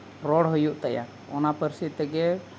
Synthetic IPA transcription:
ɾɔɽɦɔjuʔt̪aja̰ | ɔ̰napəɾsit̪ɛɡɛ

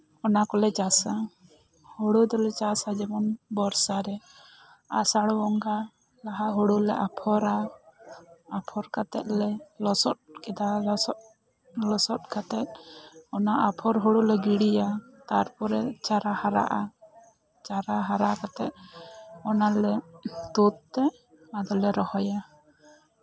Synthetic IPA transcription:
ɔnakɔlɛt͡ʃasa | hɔɽud̪ɔlɛt͡ʃasad͡ʒɛbɔnbɔɾsaɾɛ | a̰saɽwɔŋɡa | laɦaɦɔɽulɛʔapʰɔɾa | apʰɔɾkat̪ɛ̰t̪̚lɛlɔsɔt̪̚kɛd̪alɔɔ | lɔsɔt̪̚kat̪ɛt̪̚ɔnaʔapʰɔɾɦuɽulɛɡiɽija | t̪aɾpɔɾɛt͡ʃaɾahaɾa̰ʔa | t͡ʃaɾaɦaɾakat̪ɛt̪̚ɔnalɛt̪ut̪̚t̪ːɛ | ad̪ɔlɛɾɔhɔja

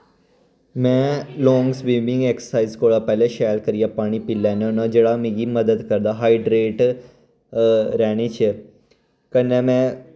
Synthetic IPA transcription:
mɛ̃lɔːŋɡsʋimĩŋɡeksə̥saizkoɭapɛleʃalkəɾijapaːɽ̃iːpilːanɔnəd͡ʒeɽamĩɡiməd̪əd̪kəɾd̪aɦaiɖɾeːʈ | ɾɛɽ̃et͡ɕʰe | kənːɛ̃mɛ̃

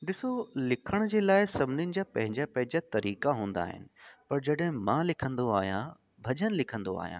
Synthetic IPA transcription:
ɗɪsolɪkʰəɽ̃d͡ʑeːlaːɪsɐbʱɪnjʊnɪ̆d͡ʑaːpɐ̃ɦɪ̃ɲd͡ʑapɐ̃ɦɪ̃ɲd͡ʑat̪ɐɾiːkaɦũːn̆d̪a̰ːɦɪ̰nɪ̆pɐɾd͡ʑɐɗɦɪ̃mãlɪkʰə̃nd̪oa̰ːɦijã | bʱɐʄənɪ̆lɪkʰə̃nd̪oa̰ːɦijã̰

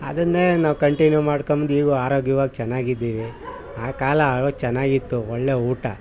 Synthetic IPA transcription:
ɐ̰d̪ɐnːeːnaːʋkɐɳʈinjuːmaːɽkombɐnd̪iːɡoaːɾoːɡjɐʋaːɡit͡ʃɛnːaːɡid̪ːiːʋi | aːkaːlɐot͡ʃɛnːaːɡit̪ːuɔɭːe̞ːuːʈɐ

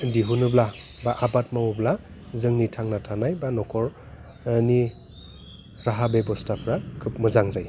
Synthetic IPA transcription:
diɦunɯblabaʔabat̚mawubla | zɯŋnitʰaŋnatʰanajbanɔkʰɔɾ | ni | ɾaɦabebɔstapʰɾakʰɯp̚mɯzaŋzaj

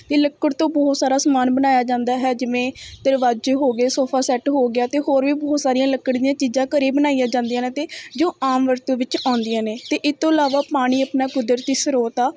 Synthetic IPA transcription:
t̪eːləkːəɽt̪õːbɔːt̪saːɾaːsəmaːnbənaːjaːd͡ʒãːnd̪aːɦɛːd͡ʒɪʋẽːt̪əɾʋaːd͡ʒeːɦoːɡeːsoːpʰaːsɛːʈɦoːɡɪaːt̪eːɦoːɾʋiːbɔːt̪saːɾijãːləkːəɽd̪ɪjãːt͡ʃiːzãːkəɾeːbənaːijaːd͡ʒãːnd̪ijãːnẽːt̪eːd͡ʒoːaːmʋəɾt̪ũːʋɪt͡ʃãːnd̪ɪjãːneːt̪eːʔɪst̪ːõːəlaːʋaːpaːɽ̃iːəpnaːkʊd̪əɾt̪iːsəɾoːt̪aː

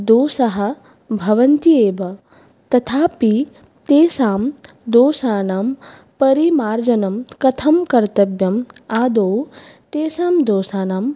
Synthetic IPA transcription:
d̪oːsɐɦɐ̆ | bʱɐʋɐnt̪ieːʋɐ | t̪ɐt̪ʰaːpi | t̪eːsaːm | d̪oːsaːnaːm | pɐɾimaːɾd͡ʒɐnɐmkɐt̪ʰɐmkɐɾt̪ɐbjɐmaːd̪oːwt̪eːsaːmd̪oːsaːnaːm

